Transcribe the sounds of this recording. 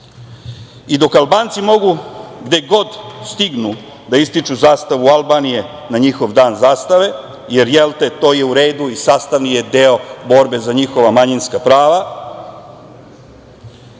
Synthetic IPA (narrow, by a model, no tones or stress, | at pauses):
id̪o̞kalˠbaːnt̪simo̞ɡuɡd̪e̞ɡo̞d̪st̪iɡnu | d̪aist̪it͡ʃuzaːst̪aʋualˠbaːnije̞ | naɲixo̞ʋd̪aːnzaːst̪aʋe̞ | je̞ɾjelt̪et̪o̞ːje̞uɾeːd̪uisaːst̪aʋnijed̪eo̞bo̞ɾbe̞zaɲixo̞ʋamaɲinskapɾaːʋa